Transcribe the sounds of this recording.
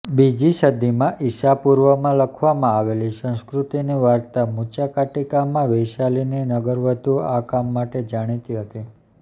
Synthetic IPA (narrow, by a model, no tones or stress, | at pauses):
bid͡ʒiʃəd̪imãʔiʃapuɾʋəmãləkʰʋamãaʋelisə̃ñskɾut̪iniʋaɾt̪amũt͡ʃakaʈikamːãʋejʃalininəɡəɾʋəd̪uakamːaʈed͡ʒaɽ̃it̪iɦət̪i